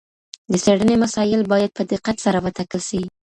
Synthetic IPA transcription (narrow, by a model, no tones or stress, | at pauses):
d̪əseɽənemasɑjɪlbɑjad̪̚pəd̪ɪqːat̪saɾawət̪akəlʃawi